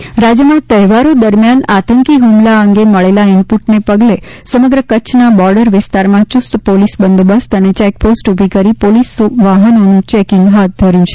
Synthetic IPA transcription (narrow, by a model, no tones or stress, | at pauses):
ɾad͡ʒjəmãt̪əɦʋaɾod̪əɾmjanat̪əŋkiɦumlaəŋɡeməɭelaɪmpuʈnepəɡlesəməɡɾəkət͡ʃʰnabɔɾɖəɾʋɪst̪aɾmãt͡ʃust̪polisbənd̪bəst̪ənet͡ʃɛk̚posʈubʱikəɾipolisʋaɦənonũt͡ʃɛkɪ̃ŋɡɦat̪̚d̪ʱəɾjũt͡ʃʰe̥